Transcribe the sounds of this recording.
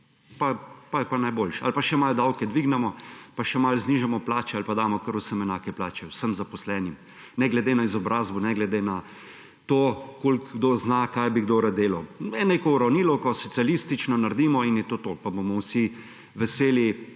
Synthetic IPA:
papajɛpanajboːlʃa̰lpaʃɛmald̪awkɛd̪ʋiɡnɛmɔpaʃɛmalzniːʒamɔplaːt͡ʃɛalpad̪aːmɔkəɾʊsəmɛnaːkɛplaːt͡ʃɛwsəmzapɔslɛnim | nɛɡlɛd̪enaizɔbɾaːzbɔnɛɡlɛd̪ena | t̪oːkolkɡd̪oznakajbiɡd̪oːɾad̪eːlɐwɛnekoɾɐniːlɔkɔsɔt̪sijaliːst̪it͡ʃnɔnaɾd̪iːmɔinjɛt̪oːt̪oːpabomɔwsi | ʋɛseːli

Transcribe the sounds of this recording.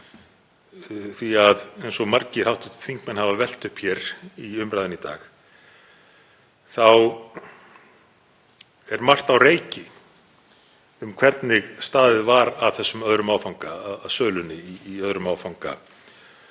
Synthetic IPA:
θviaðejnsɔɣmaɾcɪ̥hawht̪ɪ̥t̪θiŋkmɛnhavavɛl̥t̪ʏhpçɛɾiʏmɾajðɪnit̪a̰ːx | θaw | ɛɾmar̥t̪awreːjcɪ | ʏmkʰvɛɾt̪nɪɣst̪aːðɪðvaɾaðθɛsːʏmœðɾʏmaːwfawŋkaːðasœːlʏnɪiːœðɾʏmaːwfawŋka̰

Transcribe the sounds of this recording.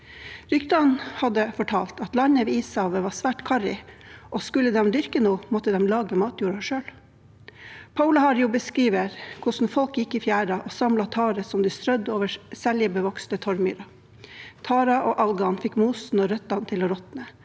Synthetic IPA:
ɾʏkt̪ɑnhɑd̪əfɔʈʰɑːlt̪ɑt̪lɑnəʋiːiːshɑːʋəʋɑːsʋæːʈkʰɑɾɪʔɔskʉlːəd̪ɛmd̪ʏɾkənuːmɔt̪əd̪ɛmlɑːɡəmɑːt̪juːɾɑʂøːl | pʰɑʉlɑhɑɾjuːbəskɾiːʋəɾkʰʊsn̩fɔlkjɪkːiːfjæːɾɑʔoːsɑmlɑt̪ʰɑːɾəsɔmd̪iːst̪ɾœd̪oːʋəsɛljəbəʋɔkst̪ət̪ʰɔɾmy̰ːɾɑ | t̪ʰɑːɾɑʔoːʔɑlɡɑnfɪkmuːsn̩ɔːɾœt̪ːɑnt̪ʰɪlɔɾɔt̪nə

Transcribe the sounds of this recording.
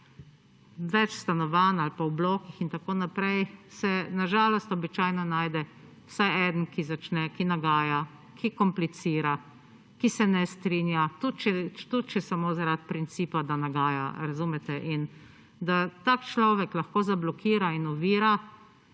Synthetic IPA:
ʋɛt͡ʃst̪anɔʋaːnalpawbloːkixint̪akoːnapɾɛjsɛnaʒaːlɔst̪ɔbit͡ʃaːjnɔnaːjd̪ɛ | w̥sajɛːd̪nkizat͡ʃnɛkinaɡaːja | kʰikɔmplit̪siːɾa | kisɛnɛst̪ɾinjat̪ut̪t͡ʃɛt̪ut̪̚t͡ʃɛsamoːzaɾat̪̚pɾint̪siːpad̪anaɡaːja̰ɾazuːmɛt̪ɛʔin | d̪at̪akt͡ʃlɔːʋɛklaxkoːzablɔkʰiːɾainɔʋiːɾa

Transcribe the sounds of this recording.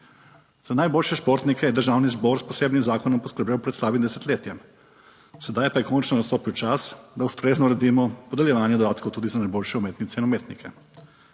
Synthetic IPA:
z̥anajboːlʃɛʃpoːɾt̪nikɛind̪əɾʒaːwnizbɔɾspɔseːbnimzaːkɔnɔmpɔskəɾbjewpɾɛt̪slaːbimd̪ɛsɛt̪leːt̪jɛm | sɛd̪ajpajɛkoːnt͡ʃnɔnast̪oːpiwt͡ʃasd̪aust̪ɾeːznɔɾɛd̪iːmɔpɔd̪ɛljɛʋaːnjɛd̪od̪aːt̪kowt̪uːd̪izanajboːlʃɛumeːt̪nit̪sɛinumeːt̪nikʰɛ

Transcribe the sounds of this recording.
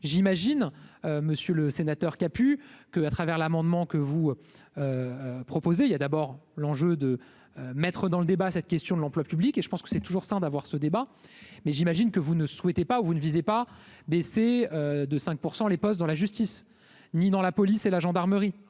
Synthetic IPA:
ʒimaʒinøməsjøləsenat̪œʁkapykəat̪χavɛʁlamɑ̃d̪mɑ̃kəvu | øpχɔpozeiljad̪abɔʁlɑ̃ʒød̪ə | ømɛt̪χəd̪ɑ̃ləd̪ebasɛt̪kʲɛst̪jɔ̃d̪lɑ̃plwapyblikʲeʒə̥pɑ̃skə̥sɛt̪uʒuʁsɛ̃d̪avwaʁsəd̪ebamɛʒimaʒinkəvunəswɛt̪epauvunəvizepabeseød̪əsɛ̃k̚puʁsɑ̃lepɔst̪̚d̪ɑ̃laʒyst̪is | nid̪ɑ̃lapɔliselaʒɑ̃d̪aʁməʁi

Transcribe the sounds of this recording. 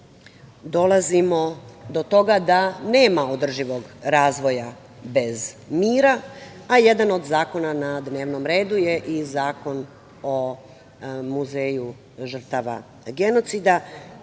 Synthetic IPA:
d̪o̞lˠazimo̞d̪o̞t̪o̞ɡad̪ane̞ːmaod̪r̩ʒiʋo̞ɡɾaːzʋo̞ja | be̞zmiːɾa | aje̞d̪ano̞d̪zaːko̞nanad̪ne̞ːʋno̞mɾe̞ːd̪uje̞ʔizaːko̞n | o̞ | muzeːju | ʒr̩t̪aʋa̰ | ɡe̞no̞t̪sid̪a

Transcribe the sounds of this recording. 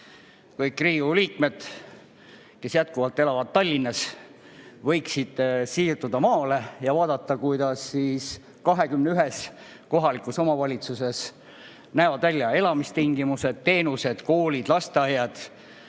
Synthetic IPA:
kɤjkːriːuliːk̚me̞d̪̥ | ke̞sjæt̪̚kuvɑlt̪ːˑe̞lɑvɑd̪̥̚t̪ːɑlʲːinːɑs | vɤ̞jksid̪̥siːrt̪ud̪ɑmɑːle̞jɑvɑːd̪̥ɑt̪ˑːɑkujd̪̥ɑsːiːs | kɑɦe̞kymneyɦes | ko̞ɦɑlikuso̞mɑvɑlʲit̪suse̞s | næevɑd̪̥vælʲːɑe̞lɑmist̪iŋɡimuse̞d̪̥t̪e̞ːnuse̞d̪̥ko̞ːlid̪̥lɑst̪eɑjɑd̪̥

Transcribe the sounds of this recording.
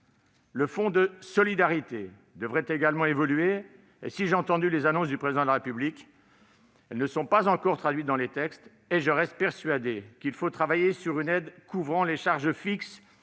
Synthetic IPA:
ləfɔ̃d̪əsɔlid̪aʁit̪e | d̪əvʁɛt̪eɡalmɑ̃evɔlɥe | ḛsiʒeɑ̃t̪ɑ̃d̪ylezanɔ̃s̬d̪ypχezid̪ɑ̃d̪əlaʁepyblikʲ | ɛlnəsɔ̃pazɑ̃kɔʁt̪χad̪ɥit̪̚d̪ɑ̃let̪ɛkst̪ | eʒəʁɛst̪̚pɛʁsɥad̪ekilfot̪χavajesyʁynɛd̪kuvʁɑ̃leʃaʁʒəfiks

